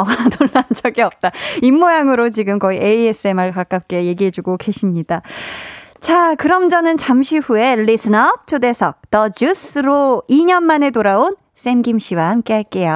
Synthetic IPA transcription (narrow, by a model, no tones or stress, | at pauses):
ʌtoɭːand͡ʑʌɡiʌp̚t͈aimːojaŋɯɾot͡ɕiɡɯmkʌiʔeie̞s͈ʰɯemaɭkak͈ap̚k͈e̞je̞ɡiɦe̞d͡ʑuɡoke̞ɕʰimɲid̥a | t͡ɕakɯɾʌmd͡ʑʌnɯnt͡ɕamɕʰiɸue̞lːisʰɯnʌp̚t͡ɕʰode̞sʰʌk̚t͈ʌd͡ʑus͈ʰɯɾoiɲʌnmane̞toɾaon | s͈emɡimɕʰiwahamk͈e̞ɦaɭk͈e̞jo